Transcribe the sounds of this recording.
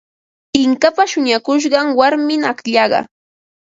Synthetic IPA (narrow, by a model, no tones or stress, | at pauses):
ɪŋkapaʃʊɲakʊʃ̬ɢɑŋwaɾmɪnakʎɑɢɑ̰